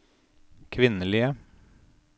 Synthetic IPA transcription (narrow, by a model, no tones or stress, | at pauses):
kʰʋɪnəliə